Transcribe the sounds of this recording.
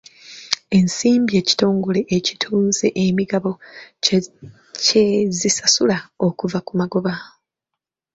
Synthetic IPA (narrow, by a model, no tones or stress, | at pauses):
e̞nsiːmbie̞ːci̥to̞ːŋɡo̞le̞ʔːcitʰuːnze̞ʔemiɡaβo̞ | cezisasulao̞kuvakumaɡo̞βa